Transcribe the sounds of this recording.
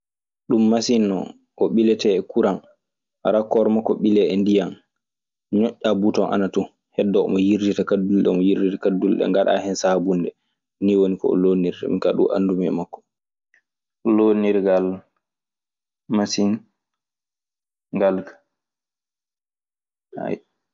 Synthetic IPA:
ɗumːasinːɔ̰ | ʔɔɓilɛtɛɛkuɾan | aɾakːɔɾɔmakːɔɓilɛɛndijan | ɲɔʔʲːabutɔnʔa̰natu | hɛdːɔɔ̰mɔjiɾditakadːulɗɛɔmɔjiɾditakadːulɗɛ̰ŋɡaɗa̰hɛnsabundɛ | niwonikɔ̰ɔ̰loniɾta̰mikaɗṵʔa̰ndumɛ̰makːɔ̥ | ɔloniɾɡal | masin | ŋɡalkḁ | a̰j

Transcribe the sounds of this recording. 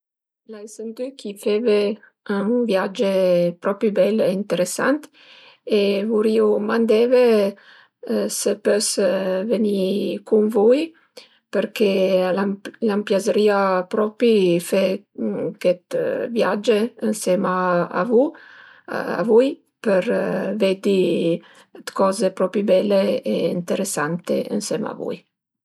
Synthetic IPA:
lajsənt̪ykʰifɛve | vjad͡ʒepɾɔpɾibɛleint̪eɾesa̰nt̪ | evuɾiomand̪ɛve | səpøsvənikunvuj | pəɾkelalampjazəɾiapɾɔpifɛ | kɛt̪vjad͡ʒeənsɛmaa̰vu | a̰vuj | pəɾvɛd̪i | t̪kɔzepɾɔpibɛleeint̪eɾesant̪ḛə̰nsɛma̰vṵj

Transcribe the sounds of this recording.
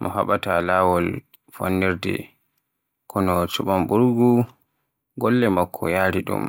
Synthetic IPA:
mʔɔ̰ha̰ɓatalawɔl | fa̰nːɛɾdɛ̰ | kʰɔnɔt͡ʃuɓambuɾɡu | ɡɔlːɛmakʰːɔ̰jaːɾiɗṵm

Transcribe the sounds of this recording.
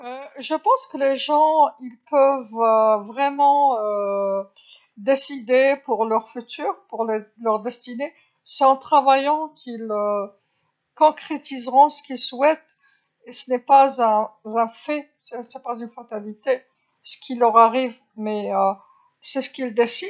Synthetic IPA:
øʒəpɑ̃skəleʒɑ̃ilpœvøvʁɛmɑ̃ø | d̪esid̪epuʁlœʁfyt̪yːʁpuʁlelœʁd̪ɛst̪ine | sɛɑ̃t̪χavajɑ̃kʲʰilø | kɔ̃kχet̪izʁɔ̃sə̥kʲilswɛt̪ | esənɛpazɛ̃zɛ̃fɛ | sɛsɛpazynfat̪alit̪e | sə̥kʲilœʁaʁiv | mɛø | sɛsə̥kʲild̪esid̪

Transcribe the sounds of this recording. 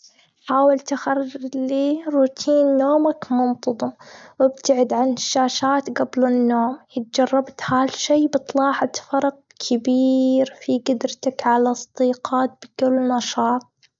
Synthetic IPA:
ħaːwɪlt̪ɪxarːliːɾuːt̪ʰiːnːoːmakmʊnt̪ˤɑðˤɨmwɪb̚t̪aʕɪd̪ʕanɪʃːaːʃaːt̪ɡablɪnːoːmjɪt̪̚d͡ʒɑrˤːɑbt̪halʃeːbɨt̪ˤlɑːħɑt̪fɑɾˤɑq̚ | kʰɪbiːɾfiɡʊd̪ɾt̪akʕalasˤd̪̥iːqɑːt̪̚bɪkɪlːnɑʃɑːt̪̚ˤ

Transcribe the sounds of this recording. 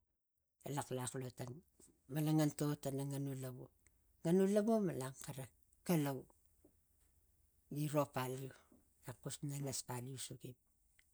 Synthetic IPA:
a̰laklaklotan | malaŋanto̞tanaŋanulaɡu | ŋanulabumalaŋkaɾa | kalaw | ɡiɾo̞paliu | akusnaŋaspaliusuɡip̚

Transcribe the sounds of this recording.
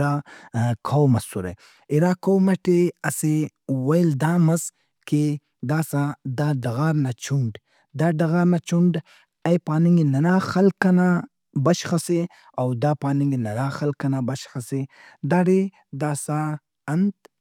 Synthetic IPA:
ɾakʰawmasuɾa̰ | ɪɾaːkowmaʈeasewajld̪aːmaz | ke | d̪aːsad̪aɖaɣaːɾnat͡ʃuɳɖ | d̪aɖaɣaːɾnat͡ʃuɳɖ | ajpaːnɪŋɡinanaːxalkana | baʃxase | awd̪apaːnɪŋɡinanaːxalkanabaʃxase | d̪aɽi | d̪aːsa | and̪

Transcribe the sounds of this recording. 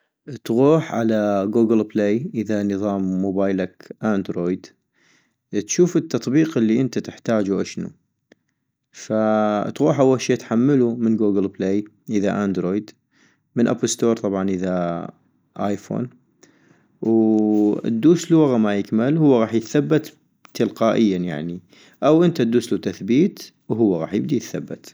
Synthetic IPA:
t̪ɣuːħʕalaɡuːɡɪlpleːjʔəðanɨðˤɑːmːoːbaːjlakʔand̪ɾoːjd̪ | t̪ʃuːfɪt̪ːɑt̪ˤbiːqəlːiʔənt̪at̪ɪħt̪aːd͡ʒuʔaʃnṵ | fat̪ɣuːħʔawːalʃeːt̪ħamːalumənɡuːɡɪlbleːj | ʔəðaʔaːnd̪ɾoːjd̪ | mɪnʔa̰pəlst̪oːɾˤt̪ˤɑbʕɑnʔəða | ʔa̰jfo̰ːn | w̰ | d̪ːuːsluwaɣamajɪkmalhʊwːaɣɑːħjɪθabːat̪ | t̪ːɪlqaːʔɪjːanja̰ʕni | ʔawʔənt̪ad̪uːslut̪aθbiːt̪ | wɦʊwːaɣɑ̰ːħjɪb̚d̪ijɪθabːɪt̪

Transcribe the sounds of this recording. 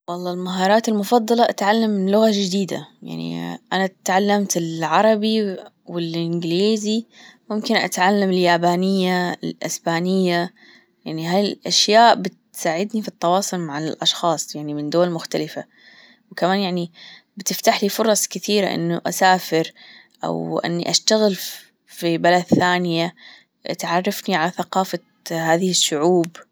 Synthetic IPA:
wɑlˤːɑːlmaɦɑːɾˤɑːt̪ɪlmʊfɑd̪ˤːɑlɑʔat̪ʕalːamːɪlʊɣad͡ʒɪd̪iːd̪a̰ja̰ʕnḭʔanat̪ʕalːamt̪ɪlʕɑɾˤɑbi | wɪlʔɪnɡliːzimʊmkɪnʔa̰t̪ʕalːamɪljaːbaːnɪjːaɪlʔɪ̰sbaːnɪjːa | jaʕniɦalʔaʃjaːʔbɪt̪saːʕɪd̪nifit̪ˤːɑwɑːsˤʊlmaʕɪlʔɑʃxɑːsˤjaʕnimɪnd̪ʊːalmʊxt̪alɪfa | wkamaːnjaʕni | bɪt̪ɪft̪aħlifʊɾˤɑsˤkɪθiːɾa̰ʔɪ̰nːuʔa̰saːfɪɾ | ʔa̰wʔɪ̰nːḭʔaʃt̪aɣɪl | fibalad̪θaːnɪja | ʔa̰t̪ʕɑrˤːɑfniʕalaθaqɑːfa | haːðɪhɪʃːʊʕuːb

